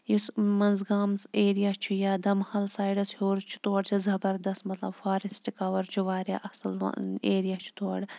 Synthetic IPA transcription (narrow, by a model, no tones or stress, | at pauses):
jismɐnzɡaːmseːɾijaːt͡ʃʰujaːd̪ɐmhɐlsaːjɖɐshoːɾt͡ʃʰu̥t̪oːɽt͡ʃʰizɐbɐɾd̪ɐstmɐt̪lɐ̰bfaːɾisʈikɐʋɐɾt͡ʃʰuʋaːɾja̰ːʔɐsɐl̰eːɾijaːt͡ʃʰu̥t̪oːɽ